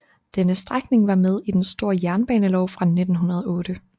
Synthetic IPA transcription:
d̥enəsd̥ʁaɡ̥ne̝ŋʋɑ̈með̞ˠid̥ensd̥o̝ɐ̰jæɐnb̥ɛ̰ːnəlɒʊ̰fʁɑ̈ne̝d̥n̩ɦunɐð̞ˠɔ̽ːɾ̥ə

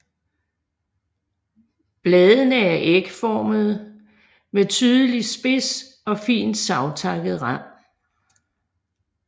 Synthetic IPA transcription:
b̥lɛːðˠənəæɐʔeɡ̥əfɒːməð̞̩ˠ | met͡sʰyːðˠəlisb̥e̝s | ɒ̽fḭːnd̥sɑ̈ʊt͡sʰɑ̈ɡ̥ð̩ˠʁɑm̰

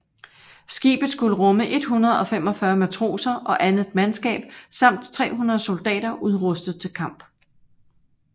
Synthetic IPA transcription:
sɡ̥ḭːb̥ð̩ˠsɡ̥uləʁɔ̽məʔe̝d̥ɦunɐðˠɒ̽fem̰ɒ̽fɶɐmæt͡sʰʁo̝̰ːsɐʔɒ̽ʔænð̩ˠmænsɡ̥ɛ̰ːb̥̚sɑ̈m̰d̥t͡sʰʁɛ̰ːɦunɐð̞̩ˠso̝ld̥ɛ̰ːdɐʔuð̞ˠʁɔ̽sd̥ð̩ˠt͡sʰe̝lkʰɑ̈m̰b̥

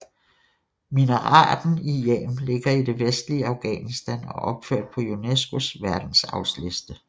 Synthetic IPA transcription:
minəʁɑ̰̈ːd̥n̩ijḛːmle̝ɡ̥ɐid̥e̝ʋesd̥liəɑ̈ʊɡ̥ɛ̰ːnisd̥ænɒ̽ʔɒ̽b̥føɐ̰d̥̚pʰɒ̽unesɡ̥osʋæɐd̥n̩sɑ̈ʊsle̝sd̥ə

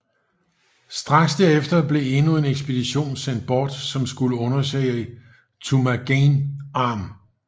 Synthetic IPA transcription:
sd̥ʁɑ̈ɡ̥sd̥æɐefd̥ɐb̥le̝e̝nue̝neɡ̥sb̥e̝d̥iɕo̝̰ːnsen̰d̥̚b̥ɒːd̥sɒ̽msɡ̥uləɔ̽nɐsɛ̰ɪ | t͡sʰumæɡ̥enɑ̈ːm

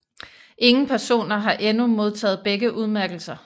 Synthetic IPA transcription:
ʔe̝ŋn̩pʰæɐso̝̰ːnɐɦɑ̈ʔenumo̝ð̞ˠt͡sʰɛ̰ːð̩ˠb̥eɡ̥əʔuðˠmæɐɡ̥l̩sɐ

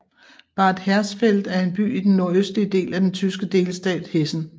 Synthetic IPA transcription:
b̥ɑ̈ːd̥hæɐsfel̰d̥æɐe̝nb̥y̰ːid̥enːo̝ɐøsd̥liəd̥e̝̰ːlæd̥ent͡sʰysɡ̥əd̥e̝̰ːlsd̥ɛ̰ːd̥he̝sn̩

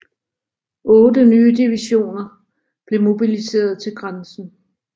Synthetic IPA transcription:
ʔɔ̽ːdənyːd̥iʋiɕo̝̰ːnɐ | b̥le̝mo̝b̥ilise̝̰ːɐð̞ˠt͡sʰe̝lɡ̥ʁansn̩

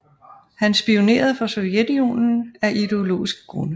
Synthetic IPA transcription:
hænsb̥io̝ne̝̰ːɐð̞ˠfɒ̽soðjed̥io̝̰ːnn̩æʔid̥e̝o̝lo̝̰ːisɡ̥ɡ̥ʁɔnə

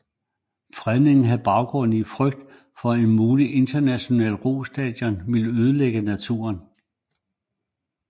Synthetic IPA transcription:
fʁɛðˠne̝ŋn̩ɦæðˠb̥ɑ̈ʊɡ̥ʁɔ̽nifʁœɡ̥̚d̥ | fɒ̽e̝nmuːliʔe̝nd̥ɐnæɕo̝nɛ̰ːlʁo̝sd̥ɛ̰d̥jɒnʋe̝ləøːð̞ˠleɡ̥ənæt͡sʰṵːɐn

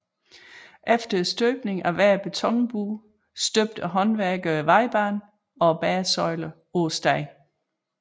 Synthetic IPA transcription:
ʔefd̥ɐsd̥øːb̥ne̝ŋæʋæɐb̥et͡sʰɒ̽ŋb̥uː | sd̥øb̥̚d̥æɦɒ̽nʋæɐɡ̥əʋɑ̈ɪ̰b̥ɑ̰̈ːn | ɒ̽b̥æːɐsɒ̽ɪlɐ | osd̥ɑɪ

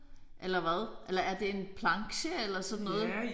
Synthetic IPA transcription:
ʔelɐʋæð̞ˠʔelɐæɐd̥e̝e̝npʰlɑ̈ŋɕəelɐsɒ̽dn̩ːɔ̽ːð̩ˠ

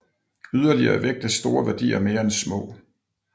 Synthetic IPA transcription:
yð̞ˠɐliɐ̰æʋeɡ̥̚d̥əsd̥o̝ːɐʋæɐd̥ḭːɐme̝ːɐensmɔ̰̽ː

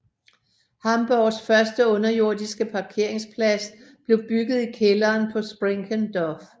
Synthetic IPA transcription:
hɑ̈mb̥ɒːsfɶɐsd̥əɔ̽nɐjo̝ɐ̰d̥isɡ̥əpʰɑ̈kʰe̝ɐ̰e̝ŋspʰlæsb̥le̝ʊb̥yɡ̥ð̞̩ˠikʰelɐːnpʰɒ̽sb̥ʁeŋkʰənd̥ɒf

